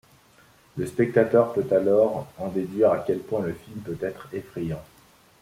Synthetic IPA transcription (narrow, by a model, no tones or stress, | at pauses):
ləspɛk̚t̪at̪œʁpøt̪alɔʁɑ̃d̪ed̪ɥiʁakʲɛlpwɛ̃ləfilmpøt̪ɛt̪χefχejɑ̃